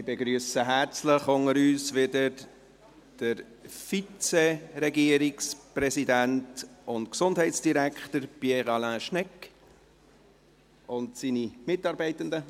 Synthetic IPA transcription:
ɪbeɡɾyːəsəɦæɾt͡sləχʊŋəɾyːsʋɪdəɾ | d̥əɾ | fit͡sɛɾɛɡiːəɾɪkspɾɛsidæntʊntksʊndɦɛɪtsd̥iɾækχtəɾpjɛʁɑlæ̃ːʃnɛk | ʊntsiːnimɪtːɑːɾbɛɪtəndə

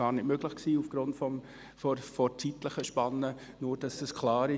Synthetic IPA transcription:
ɑːɾnɪtmøɡ̥lɪχksiːufɡ̥ɾʊntfɔm | fɔfɔt͡sitləχəʃpɑnːə | nuːɾd̥ɑsɛskʰlɑːɾɪ

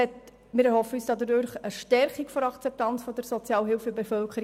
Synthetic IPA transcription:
ɛt | mɪɾhɔfəyːsd̥ɑdədøɾχəʃtɛɾχikfɔɾɑkt͡sɛp̚tɑnt͡sfɔd̥əɾsɔt͡sjɑːləɦɪlfəbefœlkʰəɾi

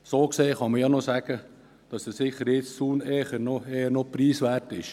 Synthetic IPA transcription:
soːkseːχɑməjɑnosæɡ̥ə | d̥ɑsdəsɪχəɾjɪst͡suːneːχənoeənopɾiːsʋærtɪʃ

